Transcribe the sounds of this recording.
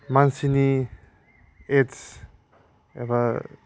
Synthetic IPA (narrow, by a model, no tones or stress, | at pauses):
mansini | es | ḛβa